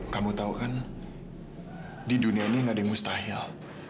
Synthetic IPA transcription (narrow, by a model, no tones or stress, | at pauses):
kamut̪aukan | didunianiŋɡadaŋmust̪aɦɪl